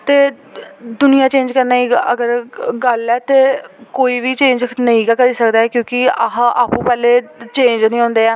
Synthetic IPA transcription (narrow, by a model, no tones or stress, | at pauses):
t̪eː | d̪ʊnɪjãːt͡ʃẽːnd͡ʒkəɾnaːiːəɡəɾɡəlɛːt̪eːkoːiːʋiːt͡ʃẽːɲd͡ʒnəĩːkaːkəɾiːsəkd̪aːɛːkjõːkɪaɦʔaːpũːpɛːleːt͡ʃẽːnd͡ʒnəĩːɦõːnd̪eːaː